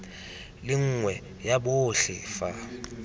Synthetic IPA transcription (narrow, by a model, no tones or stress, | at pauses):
lɪŋ̩ŋwɛ | jaɓoɬɪfa